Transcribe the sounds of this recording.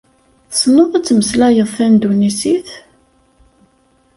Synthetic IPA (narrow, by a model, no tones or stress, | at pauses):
snoðˤæt͡sːməslæjəðˤθænd̪unisiθ